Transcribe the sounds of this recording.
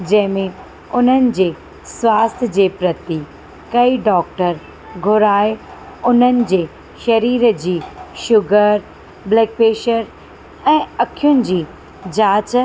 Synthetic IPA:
d͡ʑɐ̃ɦɪ̃mẽ | ʊn̤ənɪ̆d͡ʑeː | sʋaːst̪ʰjəd͡ʑeːpɾɐt̪i | kɐiɖɔːk̚ʈəɾ | ɡʱʊɾaːj | ʊn̤ənɪ̆d͡ʑeː | ʃɐɾiːɾd͡ʑiːʃʊɡəɾ | bleːk̚peːʃəɾ | ɛ̃ːɐkʰijʊnɪ̆d͡ʑiː | d͡ʑaːt͡ɕ

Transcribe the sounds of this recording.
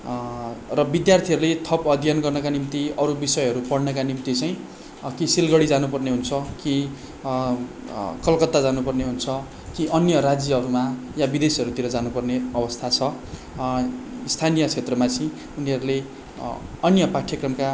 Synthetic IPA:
rʌbid̪jart̪ʰiʌɾulet̪ʰʌpʌd̪ʱijʌnɡʌrnʌkanimt̪iʌɾubisʌjɦʌɾupʌɽnʌkanimt̪it͡sʌj̃ | kisilɡʌɽid͡zanupʌrneɦunt͡sʰʌki | kʌlkʌt̪ːad͡zanupʌrneɦunt͡sʰʌ | kiʔʌnjʌɾad͡zjʌɦʌɾumajabid̪esiʌɾut̪iɾʌd͡zanupʌrneʌbʌst̪ʰat͡sʰʌ | ist̪ʰanijʌt͡sʰet̪rʌmat͡sĩ | uniɦʌɾule | ʌnjʌpaʈʰjʌkrʌmka

